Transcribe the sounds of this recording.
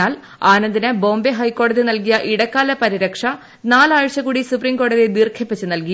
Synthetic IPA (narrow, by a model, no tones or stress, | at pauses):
aːl | aːnɐnd̪inɐbo̞ːmbeɦɐjkːo̞ːɽɐðinɐlkijɐʔiɽɐkːaːlɐpɐɾiɾɐkʂɐ | naːlaːɻɕɐkuːɽisupriːmko̞ːɽɐðid̪iːrkʰjɐpːɐt͡ɕːɨnɐlki